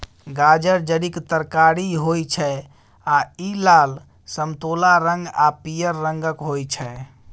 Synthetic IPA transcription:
ɡad͡ʒəɾd͡ʒəɽikt̪əɾkaɾiɦojt͡ʃʰɛ | ailal | səmt̪olaɾə̃ŋɡapijəɾːəŋɡəkɦojt͡ʃʰɛ

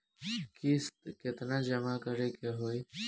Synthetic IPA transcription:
kiskɪt̪nãːd͡ʒəmaːkəɾeːkeɦoːiː

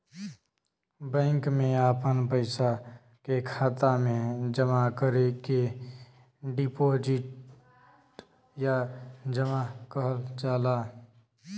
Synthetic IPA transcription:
bɛ̃ːŋkmẽaːpənpəɪsa | kekʰaːt̪amẽd͡ʒəmakəɾeke | ɖipoːd͡ʒɪʈ | ʈ | jad͡ʒəmakəɦəld͡ʒaːlaː

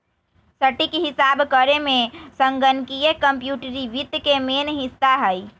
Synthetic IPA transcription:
səʈikeɦɪsabkəɾemẽsəŋɡənkijekəmpjuːʈɾiʋit̪kemenɦɪsaɦəj

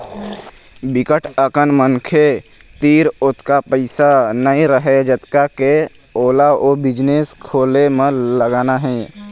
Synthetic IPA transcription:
bɪkəʈʰəkənmənkʰe | t̪iːɾʊt̪kapəɪsanəĩɾəɦed͡ʒət̪kake | oːlaoːbɪd͡ʒneskʰoːlemẽləɡaːnaɦɛ̃ː

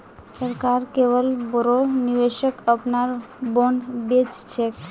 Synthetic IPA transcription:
səɾkaɾkebəlbɾonibeʃəkəpnaɾ | bonbet͡ʃt͡ʃʰek

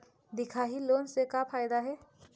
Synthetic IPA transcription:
d̪ɪkʰaɦiloːnsekapʰajd̪aɦɛː

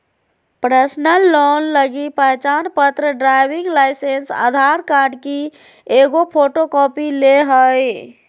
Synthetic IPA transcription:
pɾəsnəlːɔnləɡipəɦt͡ʃanpət̪ɾəɖɾajbiŋɡlajsensa̰d̪ʱaɾkaɾɖki | eɡopʰoʈokɔpileɦəj

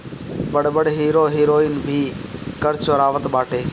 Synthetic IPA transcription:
bəɽbəɽɦiːɾoːɦiːɾoːɪnbʱiːkəɾt͡ʃəɾaːʋət̪baːʈeː

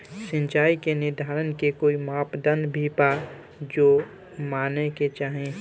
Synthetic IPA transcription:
sə̃nt͡ʃaːikenɪɾd̪ʱaːɾənkekoːimaːpd̪ənbʱipa | d͡ʒoː | maːneket͡ʃaːɦẽ

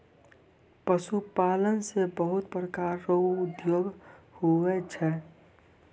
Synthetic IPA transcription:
pəsupaːlənsebəɦʊt̪pɾəkaɾːəuːd̪joːɡhuɛt͡ʃʰɛ

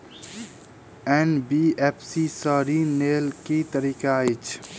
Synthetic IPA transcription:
enbiepʰsisəːɾinelkit̪əɾiːkait͡ʃʰ

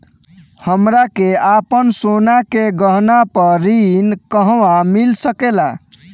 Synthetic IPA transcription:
həmɾakeapənsonakeɡəɦnapəɾinkəɦʋamilsəkela̰

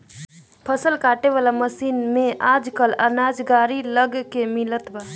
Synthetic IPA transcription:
pʰəsəlkaːʈeʋalaməsiːnmeʔad͡ʒkələnaːd͡ʒɡaːɾiləɡkemɪlət̪ba

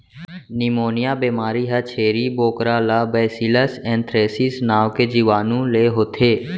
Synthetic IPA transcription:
nɪmoːnɪjaːbeːmaːɾiɦət͡ʃʰeːɾiːboːkɾaːlaːbɛːsiləsɛ̃ːnt̪ʰɾeːsisnaːʋked͡ʒiːʋaːnũleːɦoːt̪ʰeː

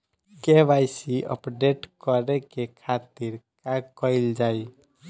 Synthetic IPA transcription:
kebajsiʔə̰pɖeʈkəɾɛkekʰat̪iɾkakəɪld͡ʒaj

